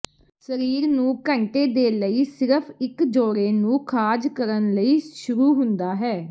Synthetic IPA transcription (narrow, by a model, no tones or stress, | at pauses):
səɾiːɾnũːkəɳʈeːd̪eːləiːsɪɾəpʰɪkd͡ʒoːɽeːnũːkʰaːd͡ʒkəɾənləiːʃʊɾuːɦʊnd̪aːɦɛː